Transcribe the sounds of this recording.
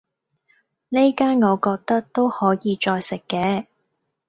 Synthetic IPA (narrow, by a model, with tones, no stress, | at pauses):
ne˥jkaː˥nŋɔː˨˧kɔː˧k̚t̪ɐ˥k̚t̪o˥whɔː˨˥jiː˨˧t͡ʃɔː˧jsɪ˨kːɛː˨˧